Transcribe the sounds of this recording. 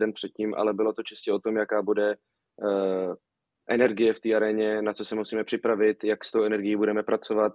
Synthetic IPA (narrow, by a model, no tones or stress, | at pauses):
dɛnpr̥ɛt̪̚ciːmʔa̰lɛbɪlot̪o̞t͡ʃɪscɛo̞t̪o̞mjakaːbudɛ | ʔɛnɛɾɡɪjɛft̪iːaɾɛɲɛnat͡sosɛmusiːmɛpr̥ɪpɾavɪt̪jakst̪owɛnɛɾɡɪjiːbudɛmɛpɾat͡so̞vat̪